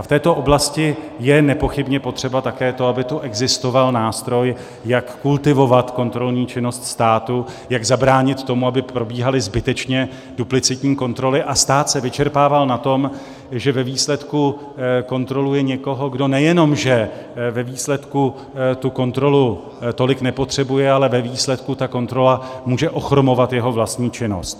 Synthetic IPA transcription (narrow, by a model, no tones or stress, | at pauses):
aft̪ɛːt̪o̞ʔoblascɪ | jɛnɛpo̞xɪbɲɛpo̞t̪r̝̥ɛbat̪akɛːt̪o̞abɪt̪uʔɛɡzɪst̪o̞valnaːst̪ɾo̞j | jakːult̪ɪvo̞vat̪ko̞nt̪ɾo̞lɲiːt͡ʃɪno̞st̪st̪aːt̪ujaɡzabɾaːɲɪt̪ːo̞muabɪpɾo̞biːɦalɪzbɪt̪ɛt͡ʃɲɛ | duplɪt͡sɪt̪ɲiːko̞nt̪ɾo̞lɪʔast̪aːt̪sɛvɪt͡ʃɛɾpaːvalnat̪o̞m | ʒɛvɛviːslɛt̪ku | ko̞nt̪ɾo̞lujɛɲɛko̞ɦo̞ɡdo̞nɛjɛno̞mʒɛ | vɛviːslɛt̪ku | t̪uko̞nt̪ɾo̞lu | t̪o̞lɪknɛpo̞t̪r̝̥ɛbujɛalɛvɛviːslɛt̪kut̪ako̞nt̪ɾo̞lamuːʒɛʔo̞xɾo̞mo̞vat̪jɛɦo̞vlast̪ɲiːt͡ʃɪno̞̰st̪